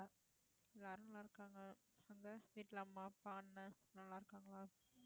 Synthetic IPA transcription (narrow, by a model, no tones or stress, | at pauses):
a | ɛlːaːɾɯnɐlːãɪɾɯkːaːŋɡɐ | ɐnd̪ɐʋiːʈːlɐmaːpːaːnːɐnɐlːãːɪɾɯkːaːŋɡɐɭaː